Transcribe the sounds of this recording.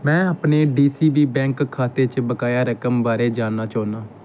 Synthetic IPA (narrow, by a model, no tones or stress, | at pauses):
mɛ̃ːaːpneːɖiːsiːbiːbɛ̃ːŋkkʰːaːt̪eːt͡ʃbəkaːjaːɾəkəmbaːɾeːd͡ʒaːnːaːt͡ʃaːnaː